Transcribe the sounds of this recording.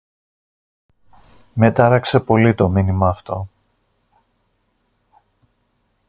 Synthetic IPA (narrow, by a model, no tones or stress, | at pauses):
me̞t̪ɐɾɐkse̞po̞lit̪o̞minimɐːft̪o̞